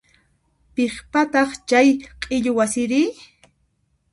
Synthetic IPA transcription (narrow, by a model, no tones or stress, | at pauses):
pɪχpat̪ɑχt͡ʃajqʼɪʎowasɪɾɪ